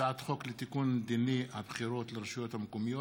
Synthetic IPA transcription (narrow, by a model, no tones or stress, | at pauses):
aat̪χo̞klet̪ikund̪iniabχiɾo̞t̪leɾeʃujo̞t̪hamkomijo